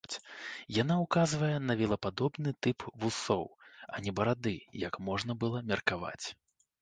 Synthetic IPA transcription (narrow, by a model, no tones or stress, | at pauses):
t͡sʲjanaukazvɐjɛnɐvʲɛlˠɐpad̪ɔbnɨt̪ɨpvusɔwɐnʲɛbɐɾad̪ɨjɐkmɔʐn̪ɐbɨlˠɐmʲɛrkava̰t͡sʲ